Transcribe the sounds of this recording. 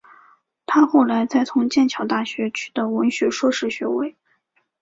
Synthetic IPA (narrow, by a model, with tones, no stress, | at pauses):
t̪ʰa˥xo˥˩ʊla˧˥ɪt͡sa˥˩ɪt͡sʰʊ˧˥ŋt͡ɕjɛ˥˩nt͡ɕʰjɑ˨˩ʊt̪a˥˩ɕɥɛ˧˥t͡ɕʰy̥˥˩d̪ə˩wə˧˥nɕɥɛ˧˥ʂwɔ˥ʂɻ̩˥˩ɕɥɛ̰˧˥we˥˩ɪ